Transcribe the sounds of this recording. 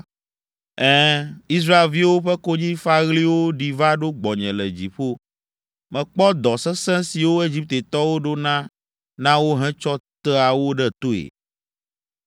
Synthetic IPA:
ɛ˦i˦s̬ɾa˦e˨lvi˦wo˦ɸɛ˦ko˦ɲĩ˦fa˦ɣli˦wo˦ɖi˨va˦ɖo˦ɡ͡bɔ˨ɲɛ̃˨lɛ˨d͡ʑi˨ɸo˦ | mɛ̃˨k͡pɔ˦d̪ɔ˨sɛ̃˦sɛ̃˦si˨wo˦e˦d͡ʑi˦p̚t̪e˨t̪ɔ˦wo˦ɖo˦nã˦ | nã˦wo˦ɦɛ̃˦t͡ʃɔ˦t̪ɛ˦a˨wo˦ɖɛ˦t̪o˦ḛ˨

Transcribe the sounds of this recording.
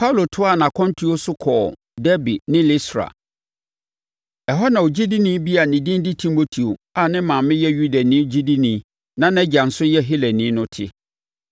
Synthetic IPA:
pʰa˦wlo˨tʰʊ˦a˦˨nã˨kʰɔ̃˦n˦tʰu˦o˦sʊ˦kʰɔː˨ | dɛ˦bi˨nɪ̃˦li˦stɾa̰˨ | ɛ˨ɦɔ˦nã˨o˨d͡ʑi˦di˦nĩ˦bi˦a˨nɪ̃˨dɪ̃˦n˦dɪ˦tʰi˦mo˦tʰi˨o˨a˨nɪ̃˦mã˨mɪ̃˦jɛ˦ju˦da˨nĩː˦d͡ʑi˦di˦nĩ˦ | nã˦nɛ̃˦d͡ʑa˨n̩˨sʊ˦jɛ˦ɦi˦lɛ˨nĩ˦nʊ̃˦tʰɪ˦

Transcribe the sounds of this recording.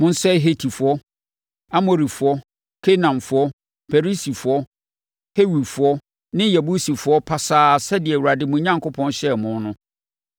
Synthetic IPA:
mʊ̃˦n̩˦sɛ˦ɦe˨tʰi˨fʊ˨ɔ˦ | a˦mo˨ɾi˨fʊ˨ɔ˦ | kʰe˦nã˨mfʊ˨ɔ˦ | pɛ˨ɾi˦si˨fʊ˨ɔ˦ | he˦wi˨fʊ˨ɔ˦ | nɪ̃˦jɛ˨bu˦si˨fʊ˨ɔ˦pʰa˨saː˦˨sɛ˦dɪ˨ɛ˨wu˨ɾa˨dɪ˦mʊ̃˨˦ɲã˦ŋkʰo˦pʰɔ̃˦nɕɛ˦˨mʊ̃˦n˦nʊ̃˦

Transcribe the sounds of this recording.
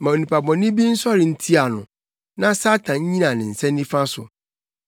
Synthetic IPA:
mã˨o˨nĩ˨pʰa˨bɔ̃˨nĩ˦bi˦n̩˦sɔ˦ɾɪ˨n̩˦tʰi˦a˨nʊ̰̃˨ | nã˦sa˦tʰã˨ɲ̩˦ɲĩ˦nã˨nɪ̃˨n̩˨sɛ̃˦nː˦ĩ˦fã˦sʊ̰˨

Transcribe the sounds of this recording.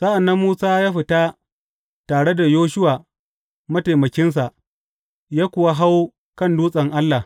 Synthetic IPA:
sa˦ʔa˨nːɐ˦mːuː˦saː˦jaː˦ɸɪ˨ta˦ | taː˨ɽe˦da˨joː˦ʃʊ˦wa˨ | mɐ˦ta˨jmɐ˨kʲɪ˦ns̬a˨ʔ | jaː˦kʷʊ˨wa˦ɦa˦w | kɐ˦˨nduː˦sʼɐ˨ŋʔa˦lːa˨

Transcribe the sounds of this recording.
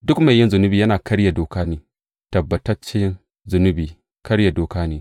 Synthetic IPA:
dʊ˦kma˨jːɪ˦nzʊ˨nʊ˦biː˨jɐ˦naː˨kɐ˦ɽja˨doː˨kaː˦neː˨ | tɐ˨bːɐ˨tɐ˦t͡ʃɪ˦n | zʊ˨nʊ˦biː˨ | kɐ˦ɽja˨doː˨kaː˦neː˨

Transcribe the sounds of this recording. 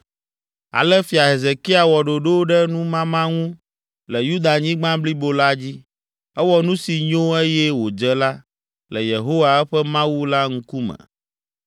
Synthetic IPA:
a̰˨lɛ˦fi˨a˨ɦe˨ze˨ki˦a˨wɔ˨ɖo˨ɖo˦ɖɛ˦nũ˦mã˦mã˦ŋũ˦ | lɛ˨ju˦d̪a˨ɲĩ˦ɡ͡bã˦bli˦bo˦la˦d͡ʑi˦ | ɛ˦wɔ˦nũ˦si˨ɲõ˦e˦jɛ˦wo˨d͡ʒə˦la˦ | lɛ˨je˨ɦo˦wa˨ɛ˦ɸɛ˦mã˦wu˦la˦ŋ̩˦ku˦mɛ̰̃˨

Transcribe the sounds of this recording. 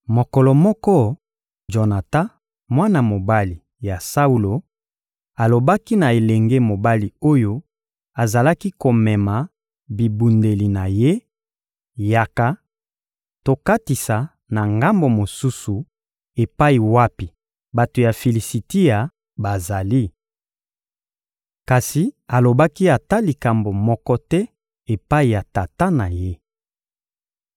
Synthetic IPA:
mo˨kɔ˨lɔ˨mɔ˦kɔ˦ | d͡ʒo˨na˨ta˦ | mwa˦na˨mo˨ba˦li˨ | ja˨sa˦u˦lo˨ | a˨lo˨ba˦ki˦na˨e˨lɛ˨ŋɡe˦mo˨ba˦li˨o˦jo˦ | a˨za˨la˦ki˦ko˨mɛ˨ma˨ | bi˨bu˨nde˨li˨na˨je˦ | ja˨ka˨ | to˨ka˦ti˨sa˨ | na˨ŋɡa˦mbo˨mo˨su˦su˨ | e˨pa˦i˨wa˦pi˨ | ba˨to˨ja˨fe˨li˨si˨ti˦ja˨ | ba˨za˨li˦ | ka˨si˨a˨lo˨ba˦ki˦a˨ta˦li˨ka˨mbo˨mɔ˦kɔ˦tɛ˦ | e˨pa˦i˨ja˨ta˨ta˦na˨je˦

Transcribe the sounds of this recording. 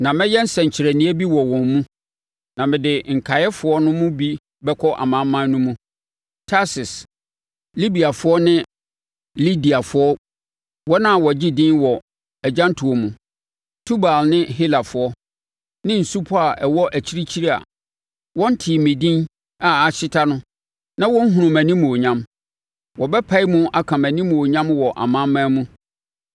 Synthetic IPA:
nã˨mɛ̃˦jɛ˦n̩˦sɛ̃˨ɲ˨t͡ɕʰɪ˨ɾæ˨nɪ̃˦æ˦bi˦wɔ˨wɔ̃˨nmũ˦ | nã˨mɪ̃˨dɪ˨ŋ̩˨kʰa˨jɛ˦fʊ˨ɔ˦nʊ̃˦mʊ̃˦bi˦ | bɛ˦kʰɔ˦ʔa̰˨mã˨˦mːã˦n˦nũ˦mũ˦ | tʰa˦sɪ˨s | li˦bi˨a˨fʊ˦ɔ˦nɪ̃˦ | li˦di˨a˨fʊ˨˦ɔ˦ | wɔ˦nã˦a˨wɔ˨d͡ʑi˦dĩ˦nwɔ˨ | ɛ˨d͡ʑã˦n˦tʰʊ˨o˨mũ˨ | tʰu˦ba˨lnɪ̃˦ɦi˦la˨fʊ˨˦ɔ˦ | nɪ̃˦n̩˨su˦pʰɔ˦a˨ʔɛ˨wɔ˦ʔæ˨t͡ɕʰi˦ɾi˦t͡ɕʰi˦ɾi˦a̰˨ | wɔ̃˦n̩˦tʰiː˨mɪ̃˨dĩ˦n | a˨a˨ɕɪ˦tʰa˦nʊ̃˦ | nã˦wɔ̃˦n̩˦ɦũ˨ʊ̃˨mæ̃˨nĩ˦mũ˨o˨ɲã˦m | wɔ˨bɛ˦pʰa˦i˦mʊ̃˦ʔa˨kʰã˨mæ̃˨nĩ˦mũ˨o˨ɲã˦mwɔ˨ʔa̰˨mã˦mːãː˦mũ˦

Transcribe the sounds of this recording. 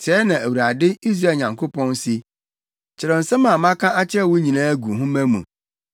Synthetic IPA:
tʰɛ˨˦nã˨æ˨wu˨ɾa˨dɪ˦i˦s̬ɾa˦˨ɲã˨ŋkʰo˦pʰɔ̃˦n˦sɪ˦ | t͡ɕʰɪ˨ɾɛ˨n̩˨sɛ̃˦mã˨mã˦kʰã˦a˦t͡ɕʰɛ˦˨wʊ˦ɲĩ˨nãː˦æ˦ɡu˨ɦʊ̃˦mæ̃˦mṵ̃˨

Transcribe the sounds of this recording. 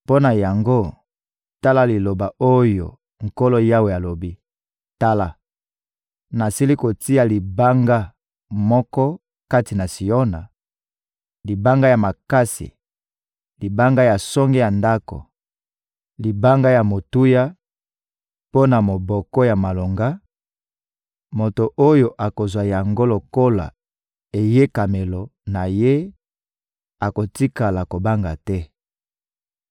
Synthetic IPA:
po˦na˨ja˨ŋɡo˦ | ta˦la˦li˨lo˨ba˨o˦jo̰˨ | ŋ̩˨ko˦lo˦ja˦we˨ja˨lo˨bi˦ | ta˦la˦ | na˨si˦li˦ko˨ti˦a˨li˨ba˦ŋɡa˦ | mɔ˦kɔ˦ | ka˦ti˨na˨si˨ɔ˦na˨ | li˨ba˦ŋɡa˦ja˨ma˨ka˦sḭ˨ | li˨ba˦ŋɡa˦ja˨sɔ˦ŋɡɛ˦ja˨nda˦ko̰˨ | li˨ba˦ŋɡa˦ja˨mo˨tu˦ja˦ | po˦na˨mo˨bɔ˨kɔ˦ja˨ma˨lo˨ŋɡa˦ | mo˨to˨ʔo˦jo˨ʔa˨ko˨zwa˨ja˨ŋɡo˦lo˨ko˦la̰˨ | e˨je˦ka˨me˨lɔ˨na˨je˦ | a˨ko˨ti˦ka˨la˨ko˨ba˦ŋɡa˨tɛ˦

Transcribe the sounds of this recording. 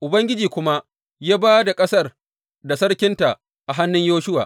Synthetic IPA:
ʔʊ˨bɐ˦ŋɡʲɪ˦d͡ʒiː˨kʷʊ˦ma˦ʔ | jaː˦baː˦da˨kʼɐ˦sɐ˦˨r | da˨sɐ˦ɽkʲɪ˦nta˨ʔ | ʔa˨ɦa˦nːʊ˦ɲjoː˦ʃʊ˦wa̰ː˨ʔ

